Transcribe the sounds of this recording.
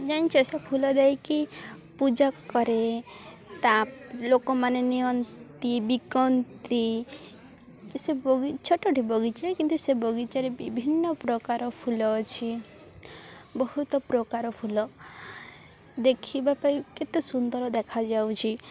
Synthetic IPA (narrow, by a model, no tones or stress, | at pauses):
d͡ʒaj̃t͡ʃʰɔsapʰulɔd̪ɛjkipud͡ʒakːɔɾe | t̪alokɔmanenijɔnt̪ibikɔnt̪i | sebɔɡit͡ʃʰɔʈɔʈibɔɡit͡ʃaekint̪usebɔɡit͡ʃaɾebibʱinːɔpɾɔkaɾɔpʰulɔt͡ʃʰi | bɔhut̪ɔpɾɔkaɾɔpʰulɔ | d̪ekʰibapajket̪esund̪ɔɾɔd̪ekʰad͡ʒawt͡ʃʰi